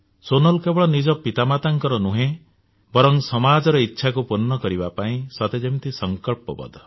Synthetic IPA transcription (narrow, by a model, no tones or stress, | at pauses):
sonɔlkebɔɭɔnid͡ʒɔpit̪amat̪aŋkɔɾɔnuɦẽ | bɔɾɔŋsɔmad͡ʒɔɾɔitːʃʰakupunːɔkɔɾibapaĩsɔt̪ed͡ʒemt̪isɔŋkɔɭpɔpɔ̰d̪ɔ